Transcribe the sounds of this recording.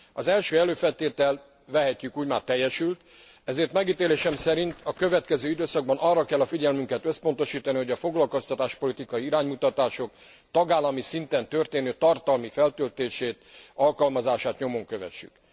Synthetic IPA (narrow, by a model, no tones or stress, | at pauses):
ɒzɛlʃøːɛløːfɛlt̪eːt̪ɛl | vɛɦɛcːykuːɟmaːrt̪ɛjːɛʃylt̪ | ɛzeːrt̪mɛɡiːt̪eːleːʃɛmsɛɾint̪ɒkø̞vɛt̪kɛzøːid̪øːsɒɡ̚bɒnɒrːɒkɛlːɒfiɟɛlmyŋkɛt̪ø̞spo̞nt̪o̞ʃiːt̪ɒniɦo̞ɟɒfo̞ɡlɒlko̞st̪ɒt̪aːʃpo̞lit̪ikɒjiiɾaːɲmut̪ɒt̪aːʃo̞k | t̪ɒɡaːlːɒmisint̪ɛnt̪ørt̪eːnøːt̪ɒrt̪ɒlmifɛlt̪ølt̪eːʃeːt̪ɒlkɒlmɒzaːʃaːt̪ɲo̞mo̞ŋkøvɛ̰ʃːy̰k